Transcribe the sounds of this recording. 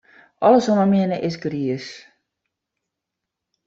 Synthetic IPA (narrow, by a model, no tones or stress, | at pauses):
ʔɔləsonəmɪənəʔɪsɡriəs